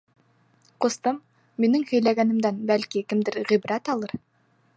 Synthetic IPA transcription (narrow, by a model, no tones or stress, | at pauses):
qŏst̪ɤmː | inɘŋhɵ̆jlæɡænɘ̆md̪ænbælkikɘ̆md̪ɘɾʁibɾæt̪ɑlˠɤɾ